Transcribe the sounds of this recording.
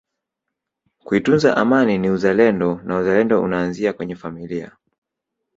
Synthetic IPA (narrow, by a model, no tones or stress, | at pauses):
kuitunzaʔamaniniuzalɛndɔnauzalɛndɔṵnaːnziakwɛɲɛfamilia̰